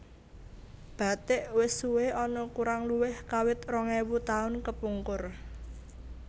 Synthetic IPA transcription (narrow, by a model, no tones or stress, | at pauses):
b̥a̤t̪ɪʔwɪsuweɔnɔkuɾaŋluwɪhkawɪt̪̚rɔŋɛwut̪aʊnkəpuŋkʊr